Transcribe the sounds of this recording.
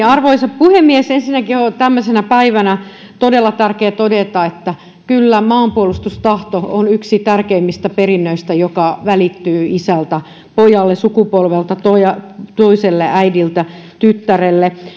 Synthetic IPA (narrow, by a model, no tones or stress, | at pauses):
ɑrʋoisɑppuhemːiesensinːækiot̪æmːøsenæpæiʋænæ | t̪odelːɑt̪ærkeːt̪odet̪ɑet̪ːæ | kylːæmɑːmpuolust̪ust̪ɑht̪oonyksit̪ærkeimːist̪æperinːøist̪æjokɑʋælit̪ːyːisælt̪æ | pojɑlːesukupolʋelt̪ɑt̪ojɑt̪oiselːeʔæidilt̪æt̪yt̪ːærelːe